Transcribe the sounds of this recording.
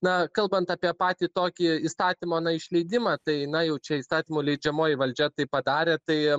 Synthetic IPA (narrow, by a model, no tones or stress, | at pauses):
nɐkɐlˠbɐnt̪ɐpʲiɛpɑːt̪ʲiːt̪oːkʲiiːst̪ɑːt̪ʲiːmoːnɐɪʃʲlʲɛɪd̪ʲɪmɑt̪ɐɪnɐjɛʊt͡ʃʲɛiːst̪ɑːt̪ʲiːmoːlʲɛɪd͡ʒʲɛmoːjɪʋɐlʲd͡ʒʲɛt̪ɐɪpɐd̪ɑːɾʲeːt̪ɐɪ